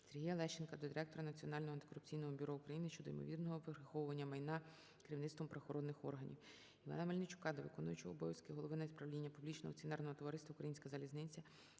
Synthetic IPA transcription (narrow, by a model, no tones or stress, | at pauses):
serɦʲijɐlˠɛʃt͡ʃenkɐd̪ɔd̪ʲiɾɛk̚t̪ɔɾɐnɐt͡sʲiɔnɑlʲnɔɦɔɐnt̪ɪ̥kɔɾʊp̚t͡sʲijnɔɦɔbʲʊɾɔukɾɐjinɪʃt͡ʃɔd̪ɔḭmɔ̰ʋʲirnɔɦɔpɾɐxɔwʊʋɐnʲːɐmɐjnɑ | kɪɾʲiwnɪt̪t̪ʋɔmpɾɐxɔɾɔd̪nɪxɔ̰rɦɐnʲḭw | iʋɑ̰nɐmɐlʲnɪt͡ʃʊ̥kɑd̪ɔʋɪkɔnʊjʊt͡ʃɔɔːbɔʋʲjɐskɪɦɔlˠɔʋɪnɐispɾɐʋlʲinʲːɐpublʲit͡ʃnɔ̰ɦɔ̰t͡sʲiɔnɛrnɔɦɔt̪ɔʋɐɾɪst̪ʋɐukɾɐjinʲsʲkɐzɐlʲiznɪnʲt͡sʲɐ